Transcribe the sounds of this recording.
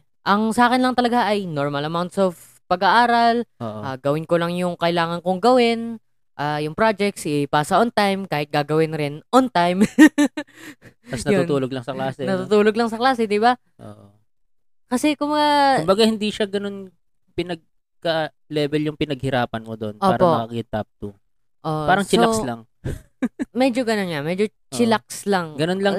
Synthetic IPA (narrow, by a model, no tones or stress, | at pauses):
ʔɐŋsɐaːkɪnlɐŋt̪ɐlɐɡaʔɐjnoɹmɐlɐmawnt̪sov | pɐɡɐʔaːɾɐloʔʔaɡɐwɪnkolɐŋjʊŋkɐʔɪlaːŋɐnkoŋɡɐwɪn | ʔaːjʊŋpɾad͡ʒɛk̚t̪sʔɪpaːsɐʔont̪ajmkaːhɪt̪̚ɡaːɡɐwɪnɾɪnʔont̪ajm | t̪ɐsnɐjount̪uːloɡ̚lɐŋsɐklaːsɛnɐt̪ut̪uːloɡ̚lɐŋsɐklaːsɛd̪ɪba | ʔo̰ːʔ | kɐsɛkʊmbɐɡaʊmbɐɡahɪnd̪iʃaɡɐnon | pɪnɐɡ̚ | kɐ | lɛːbɛljʊŋpɪnɐɡ̚hɪɾaːpɐnmod̪onpʔoːaːɾɐpo̞ɐɐkɪnt̪ap̚t̪u | ʔopaːɾɐŋt͡ʃɪoakslɐŋ | mɛd͡ʒoɡɐnonŋamɛd͡ʒo | t͡ʃɪlak̚slɐŋɡɐnonlɐŋ